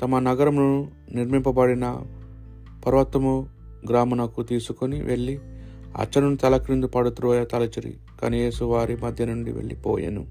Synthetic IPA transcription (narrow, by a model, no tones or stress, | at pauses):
t̪ɐmɐnɐɡɐɾɐmnu | niɾmimpɐbɐɽinɐ | pɐɾɐʋɐt̪wɐmu | ɡɾaːmɐnɐkut̪iːsukoniʋʔeɭːi | ɐ̰t͡ʃːɐnunit̪ɐlɐkɾind̪upɐɽut̪uɾoːjɐt̪ɐlɐt͡ʃiɾḭ | kɐ̰neːsuʋaːɾimɐd̪ʱjɐnuɳɖḭʋḛɭːḭpɔ̰ːjɐ̰nu